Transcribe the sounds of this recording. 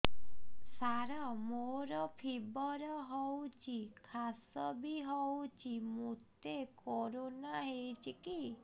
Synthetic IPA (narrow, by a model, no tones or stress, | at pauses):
saɾamoɾɔpʰibɔɾɔɦɔwt͡ʃʰikʰasɔbiɦɔwt͡ʃʰimut̪ekoɾonaɦewt͡ʃʰiki